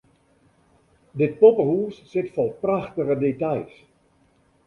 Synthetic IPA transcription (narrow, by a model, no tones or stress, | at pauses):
dɪt̚popəhuəssɪtfɔrˠpraxtəɣədetajs